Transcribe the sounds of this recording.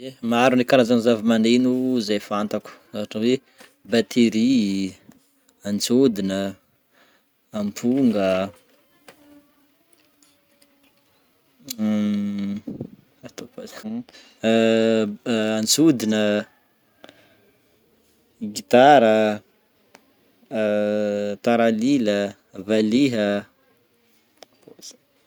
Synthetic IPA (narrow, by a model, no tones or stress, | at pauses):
emaɾunikaɾazanzavimanenuzajfant̪aku̥aʈ͡ʂəwe | bat̪ʰeɾi | ant͡sud̪inə | ampʰuŋɡə | at̪opas | ant͡sud̪inə | ɡit̪aɾə | t̪aɾalilə | valiɦə | posḁ